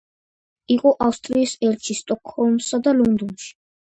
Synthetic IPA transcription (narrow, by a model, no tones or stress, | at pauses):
iqʼɔʔafst̪ʼɾiːsɛɾt͡ʃʰist̪ʼɔkʰʼhɔlmsad̪alɔnd̪ɔnʃi̥